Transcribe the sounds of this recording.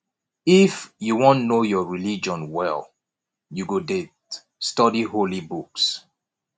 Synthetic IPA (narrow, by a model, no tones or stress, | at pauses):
ifjuwɔ̃nnojɔɹilid͡ʒɔ̃nwɛ̰l | juɡodet | stɔdiholibuks